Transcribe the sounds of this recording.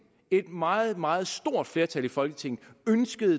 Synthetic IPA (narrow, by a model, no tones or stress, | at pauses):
e̝d̥mɑ̈ːð̩ˠmɑ̈ːð̞̩ˠsd̥o̝ɐ̰d̥fle̝ɐt͡sʰælifɒ̽lɡ̥ət͡sʰe̝ŋ̰n̩ønsɡ̥əð̞̩ˠ